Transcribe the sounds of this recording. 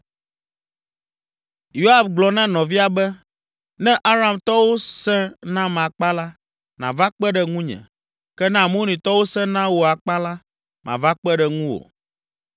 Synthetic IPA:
jo˦a˨bɡ͡blɔ˨nã˦nɔ̃˨vi˦a˨bɛ˦ | nɛ̃˦ʔa˦ɾa˨mt̪ɔ˦wo˦sɛ̃˦nã˦mã˨k͡pa˦la˦ | nã̰˨va˦k͡pɛ˦ɖɛ˦ŋũ˦ɲɛ̰̃˨ | kɛ˦nã˦˨mõ˦nĩ˨t̪ɔ˦wo˦sɛ̃˦nã˦wo˨a˨k͡pa˦la˦ | mʔã̰˨va˦k͡pɛ˦ɖɛ˨ŋũ˦wo̰˨

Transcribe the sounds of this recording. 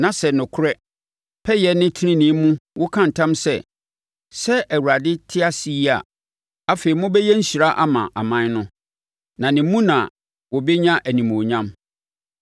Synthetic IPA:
nã˨sɛ˨nʊ̃˨kʰʊ˦ɾɛ˦ | pʰɛ˦jɛ˨nɪ̃˦tʰɪ˦ɪ̃˦nɪ̃˨˦mũ˦wʊ˦kʰã˦n̩˨tʰã˦msɛ̰˨ | sɛ˦ʔæ˨wu˨ɾa˨dɪ˦tʰɪ˦a˦si˨˦ja̰˨ | a˦fe˨i˨mʊ̃˦bɛ˦jɛ˦ɲ̩˦ɕi˨ɾa˦ʔa˦mã̰˨ʔa˨mã˦n˦nʊ̃˦ | nã˨nɪ̃˨˦mũ˦nã˨ | wɔ˨be˦ɲã˦ʔæ˨nĩ˨m˨o˨ɲã˦m

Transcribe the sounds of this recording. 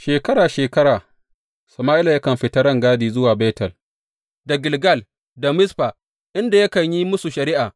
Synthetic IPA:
ʃeː˨kɐ˦ɾaː˨ʃeː˨kɐ˦ɽaː˨ | sɐ˨maː˦ʔɪ˦la˨jɐ˦kɐ˨mɸɪ˦tɐ˦ɽɐ˦ŋɡaː˦diː˨zʊ˦waː˨be˦tɐ˨l | da˨ɡɪ˨lɡɐ˦˨l | da˨mɪ˦sɸaː˨ | ʔɪ˦nda˨jɐ˦kɐ˨ɲji˦mʊ˦su˨ʃɐ˨ɾɪ˦ʔaː˨

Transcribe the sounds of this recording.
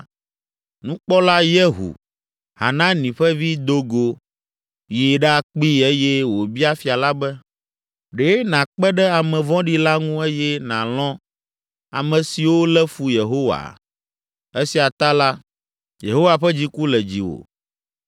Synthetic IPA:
nũ˦k͡pɔ˦la˦jɛ˦ɦṵ˨ | ha̰˨nã˦nĩ˨ɸɛ˦vi˦d̪o˦ɡo˨ | je˨ɖɛ˦a˨k͡pi˦e˦jɛ˦wo˨bi˦a˦fi˨a˨la˦bɛ˦ | ɖe˨ɛ˦nã˨k͡pɛ˦ɖɛ˦a˨mɛ̃˨vɔ̃˦ɖi˦la˦ŋũ˦e˦jɛ˦nã̰˨lɔ̃˦ | a̰˨mɛ̃˨si˨wo˦lɛ˦fu˦je˨ɦo˦wa̰˨ | e˦si˨a˨t̪a˦la˦ | je˨ɦo˦wa˨ɸɛ˦d͡ʑi˦ku˦lɛ˨d͡ʑi˨wo̰˨

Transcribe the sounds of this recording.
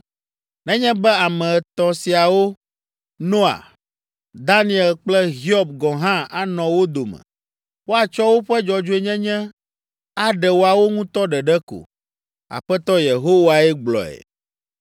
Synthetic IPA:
nɛ̃˦ɲɛ̃˦bɛ˦a˨mɛ̃˨t̪ɔ̃˨si˨a˨wo˦ | nɔ̃˦a̰˨ | d̪a˦nĩ˦ɛ˨lk͡plɛ˦ɦi˦ɔ˦˨b̚ɡɔ̃˨ɦã˦a˨nɔ̃˨wo˦d̪o˨mɛ̰̃˨ | wo˦a˨t͡ʃɔ˦wo˦ɸɛ˦d͡ʒɔ˨d͡ʒo˦e˦ɲɛ̃˦ɲɛ̃˦ | a˦ɖɛ˨wo˦a˨wo˦ŋũ˦t̪ɔ˦ɖɛ˨ɖɛ˦ko̰˨ | a̰˨ɸɛ˦t̪ɔ˦je˨ɦo˦wa˨ɛ˦ɡ͡blɔ̰˨ɛ̰˨

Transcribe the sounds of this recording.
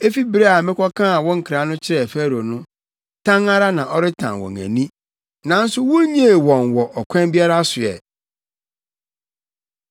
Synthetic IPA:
e˦fi˦bɾe˦a˨mɪ̃˦kʰɔ˦kʰã˦a˨wɔ̃˦ŋ̩˦kʰɾa˨˦nʊ̃˦t͡ɕʰɪ˦ɾɛ˨fæ˦ɾo˨nʊ̃˦ | tʰã˦ŋa˦ɾa˦nã˨ʔɔ˦ɾɪ˦tʰã̰˨nwɔ̰˨ŋæ̰̃˨nĩ˦ | nã˨n̩˦sʊ˦wʊ˦ɲĩ˦e˨wɔ̃˨nwɔ˨ʔɔ˨kʰʷɛ̃˦nbi˦a˦ɾa˦sʊ˨ɛ̰˨

